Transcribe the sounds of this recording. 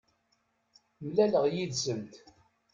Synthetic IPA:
mlæləʁjid̪zənt̪

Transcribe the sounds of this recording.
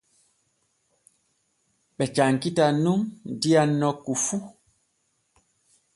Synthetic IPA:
ɓɛt͡ʃaŋkitanuŋndianːɔkufu

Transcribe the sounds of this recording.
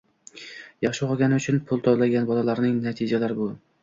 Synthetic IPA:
jɑχʃɪqɒɡʲanɪʊt͡ʃʰʊnpʰʊlˠt̪ʰɒblaɡʲanbɒlalaɾnɪŋnat̪ʰɪd͡ʒalaɾɪbʊ

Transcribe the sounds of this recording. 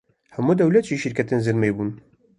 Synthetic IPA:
hɛmuːd̪ɛwlɛt̪ʒiːʃiɾkʰɛt̪enzɨɾmejbuːn

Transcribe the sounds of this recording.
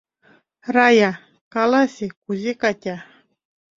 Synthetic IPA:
ɾaja | kalasikuzekatʲa

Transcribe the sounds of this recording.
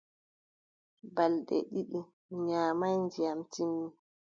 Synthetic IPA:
balɗɛ̰ɗiɗu | ɲaːmajnd͡ʒijamtimːi

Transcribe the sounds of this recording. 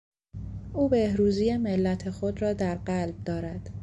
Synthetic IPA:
ʔuːbe̞hɾuːzijeme̞lːæt̪ʰe̞xo̞d̪rɒːd̪æɾɢælb̚d̪ɒːɾæd̪̥

